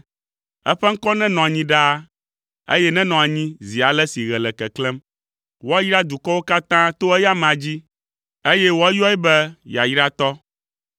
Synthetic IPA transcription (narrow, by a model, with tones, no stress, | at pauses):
ɛ̰˦ɸɛ˦ŋ̩˦kɔ˦nɛ̃˦nɔ̃˨a˨ɲĩ˦ɖa˦ | ḛ˦jɛ˦nɛ̃˦nɔ̃˨a˨ɲĩ˦zi˨a˨lɛ˦si˨ɣɛ˨lɛ˨kɛ˨klɛ˦m | wo˦a˦ji˦ɾa˦d̪u˨kɔ˦wo˦ka˦t̪ã˦t̪o˦ɛ˦ja˦mã˨d͡ʑi˦ | e˦jɛ˦wo˦a˦jɔ˦ɛ˦bɛ˦ja˨ji˦ɾa˦t̪ɔ˦